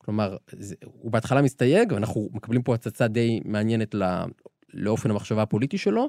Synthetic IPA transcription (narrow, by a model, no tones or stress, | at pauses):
klo̞maʁzeubeat̪χalamist̪aje̞ɡveanaχnume̞kablimpohat͡sat͡sad̪e̞jmeanje̞netla̰ | leo̞fe̞nhamaχʃavaapo̞lit̪iʃe̞lo̞